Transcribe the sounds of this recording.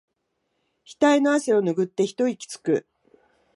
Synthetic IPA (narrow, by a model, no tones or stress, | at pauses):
çi̥t̪ainoaɕeo̞nɯɡɯ̟t̪ːe̞çi̥t̪o̞ikʲi̥t͡sɨ̥kɯ̟